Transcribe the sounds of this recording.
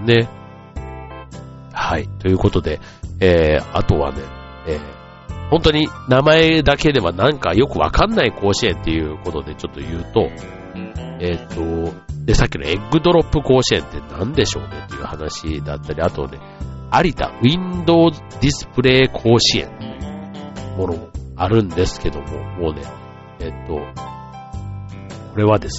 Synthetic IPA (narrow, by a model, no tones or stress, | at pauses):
ne̞ | hait̪o̞jɯ̟ːko̞t̪o̞d̪e̞ | eːat̪o̞βa̰ne̞̰ | eː | hõ̞nt̪oɲ̟inamae̞d̪ake̞d̪e̞βanãŋkajo̞kɯ̟βa̰kãnːaiko̞ːɕiẽ̞nt̪ːe̞jɯ̟ːko̞t̪o̞d̪e̞t͡ɕo̞t̪ːo̞jɯ̟ːt̪o̞ | et̪ːo̞d̪e̞sakʲːinoeɡɯ̟d̪o̞ɾo̞pːɯ̟ko̞ːɕiẽ̞̰nt̪ːe̞nãnd̪e̞ɕo̞ːnet̪ːe̞jɯ̟hanaɕḭd̪a̰t̪ːaɾʲiat̪o̞̰ne̞̰ | aɾʲit̪a̰ĩnd̪o̞ːzɨd̪ʲisɨ̥pɯ̟ɾe̞ːkʰo̞ːɕiẽ̞̰nt̪ejɯmo̞no̞moaɾɯ̟̃nd̪e̞sɨ̥ke̞d̪o̞mo̞̰mo̞ːne̞̰ː | t̪ːo̞ | ko̞ɾe̞βad̪e̞s